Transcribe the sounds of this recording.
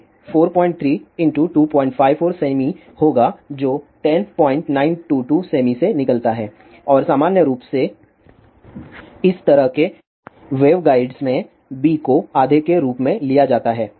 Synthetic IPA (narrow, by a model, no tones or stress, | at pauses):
foːɾpɔ̃ːɪ̃ɳʈt̪ʰɾiːɪ̃ɳʈuʈuːpɔ̃ːɪ̃ɳʈfʰaːɪʋfoːɾseːmi | hoːɡad͡ʒoːʈɛnpɔ̃ːɪ̃ɳʈnãːɪnʈuːʈuːseːmisenɪkəlt̪aɦɛː | ɔːɾsaːmaːnjəɾuːpse | ɪst̪ɐɾəɦke | ʋeːʋɡaːɪɖsmẽ | biːkoaːd̪ʱekeɾuːpmẽlijad͡ʒaːt̪aɦɛː